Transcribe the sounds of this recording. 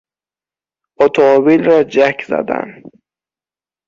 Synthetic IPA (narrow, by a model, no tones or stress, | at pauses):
ot̪ʰoːbilɾɒːd͡ʒækʰzæ̰d̪æ̰n